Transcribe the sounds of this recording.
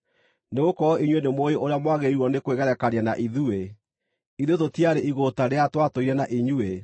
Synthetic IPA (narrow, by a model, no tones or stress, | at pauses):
neɣokɔɔʔiɲwenemoeʔoɾeamwaɣeiɾwɔnekweɣɛɾɛkaɾiana̰ʔiðue | iðetotiaɾeiɣotaɾeatwatoiɾɛnaʔiɲue